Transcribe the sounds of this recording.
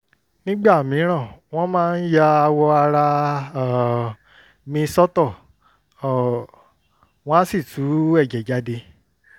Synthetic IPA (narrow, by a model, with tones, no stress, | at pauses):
nĩ˦ɡ͡ba˦˨mĩ˨˦ɾ̃ã˦˨w̃ɔ̃˦mãː˦n̩˦ja˦a˧wɔ˧a˧ɾa˧˨ | mĩ˧sɔ˦tɔ˦˨ | w̃ɔ̃˦si˦˨tʰu˨˦ɛ˦˨d͡ʒɛ˨d͡ʒa˨˦de˧